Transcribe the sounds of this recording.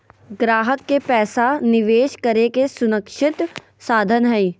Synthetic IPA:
ɡɾaːɦəkːepɛːsanɪʋeːʃkəɾekesʊnəkʃɪt̪ | saːd̪ʱənɦɛi

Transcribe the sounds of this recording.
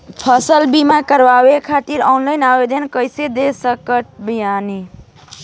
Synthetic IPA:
pʰəsəlbimakəɾbawekʰat̪iɾɔnlajnabed̪ʱənkəjsed̪esəkəʈ̪̚bijani

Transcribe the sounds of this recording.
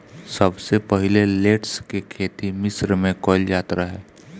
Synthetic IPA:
səbsepəɦɪleleːʈskekʰeːt̪imɪsɾmẽkɔːljaːt̪ɾaɦɛː

